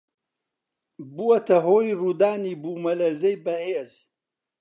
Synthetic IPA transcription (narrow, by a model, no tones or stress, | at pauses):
buwɐt̪ɐɦoːjrud̪aːnibumɐlɐɾzɐjbɐheːz